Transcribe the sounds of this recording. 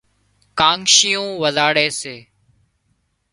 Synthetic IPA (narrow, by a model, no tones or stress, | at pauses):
kãːŋʃiːjũːʋəzaːɽeːseː